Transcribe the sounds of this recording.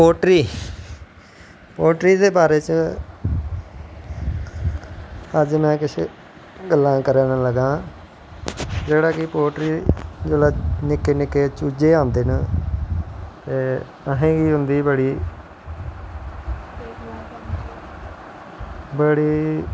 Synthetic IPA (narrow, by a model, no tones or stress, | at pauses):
poːʈɾiː | poːʈɾiːd̪eːbaːɾeːt͡ʃ | əd͡ʒmɛ̃ːkɪʃʰḛ | ɡəlːãːkəɾeːnaləɡãː | d͡ʒeːɽaːkɪpoːʈɾiːd͡ʒəlaːnɪkːeːnɪkːeːt͡ʃuːd͡ʒeːãːnd̪eːnə | t̪eː | əɦẽːɡiːɦʊ̃nd̪iːbəɽiː | bəɽiː